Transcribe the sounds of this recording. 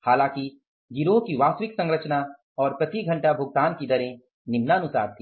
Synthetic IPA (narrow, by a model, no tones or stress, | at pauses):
haːlãːki | d͡ʒiɾokiʋaːsʋɪksɐ̃ŋɡɾət͡ʃna | ɔːɾpɾɐt̪iɡʱɐ̃ɳʈabʱʊɡ̚t̪aːnkid̪ɐɾẽ | nɪmnaənʊsa̰ːɾt̪ʰi